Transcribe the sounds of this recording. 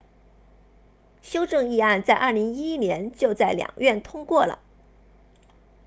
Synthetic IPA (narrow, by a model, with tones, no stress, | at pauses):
ɕjo˥ʊʈ͡ʂɤ˥˧ŋi˥˧a˥˧nt͡sa˥˧ɪʔɐ˥˩li˧˥ŋi˥i˥njɛ˧˥nt͡ɕjo˥˧ʊt͡sa˥˩ɪljɑ̰˨˩ŋɥɛ˥˩nt̪ʰʊ˥ŋkwɔ˥˩lə̰˩